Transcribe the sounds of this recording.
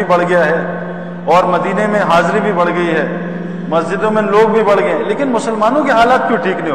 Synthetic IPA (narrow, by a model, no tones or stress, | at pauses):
ibɐɽ̤ɡɐjaɦɛː | ɔːɾmɐd̪iːnemẽɦaːzɾibʱibɐɽ̤ɡɐiɦɛː | mɐsd͡ʒɪd̪õmẽloːɡ̚bʱibɐɽ̤ɡɐeɦɛ̃leːkɪnmʊsəlmaːnõkiɦaːlaːt̪̚kjõːʈʰiːknɐɦĩɦ